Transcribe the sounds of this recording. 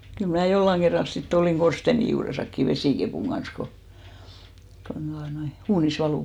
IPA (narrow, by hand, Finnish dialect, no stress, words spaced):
kyl mnæˑ jolːɑŋ ɡ̊erːɑl sitː oliˑŋ ɡ̊orsteni juːresɑkːi ʋesiˑkepuˑŋ ɡ̊ɑns ko kon d̥uɑnoi uːnis ʋɑluˑ